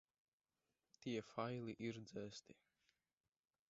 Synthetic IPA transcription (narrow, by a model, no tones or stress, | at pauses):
t̪iɛfajliʔiɾd̪zɛːst̪i